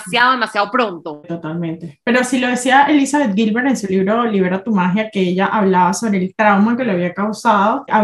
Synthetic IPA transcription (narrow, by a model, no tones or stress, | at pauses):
sjaðoðemasjaðopɾont̪ot̪o̞t̪almẽ̞nt̪epe̞ɾo̞silo̞ð̞e̞siaʔe̞lisaβet̪̚ɡilβeɾe̞nsuliβɾo̞liβeɾat̪umaxjakeeʝaʔaβlaβaso̞βɾe̞ːlt̪ɾawmake̞leaβiakawsaðo̞ʔa